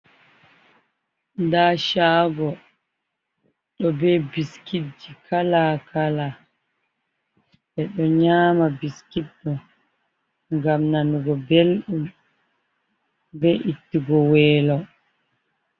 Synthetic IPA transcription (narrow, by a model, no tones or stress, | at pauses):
ndaʃaːɡɔ | ɗɔbɛbiskid͡ʒikʰalakʰala | ɓɛɗɔɲaːmabiskidːɔ | ŋɡamnanuɡɔbelɗum | bɛʔitːiɡɔwɛːlɔ